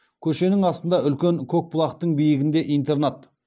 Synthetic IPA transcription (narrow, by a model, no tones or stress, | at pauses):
kʲʰɵʃe̞nɪŋɑst̪ənd̪ɑʏlkʲe̞ŋkʲʰok̚pʊlˠɑqt̪əɴbijɪɡʲɪnd̪e̞ʔijnt̪e̞ɾnɑt̪